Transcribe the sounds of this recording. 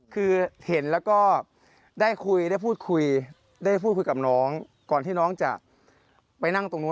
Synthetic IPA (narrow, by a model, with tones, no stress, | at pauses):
kʰɯː˧he˩˦nlɛː˦˥wkɔː˥˩ | daː˥˩jkʰu˧jda˥˩jpʰuː˥˩t̪̚kʰu˧j | daː˥˩jpʰuː˥˩t̪̚ku˧ka˨˩p̚nɔː˦˥ŋ | kɔː˨˩nt̪ʰiː˥˩nɔː˦˥ŋt͡ɕa̰˨˩ʔ | pa˧jna˥˩ŋt̪o˧ŋnu˦˥